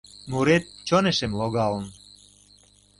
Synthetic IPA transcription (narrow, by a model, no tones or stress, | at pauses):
muɾet̪̚t͡ɕoneʃemloɣɑlən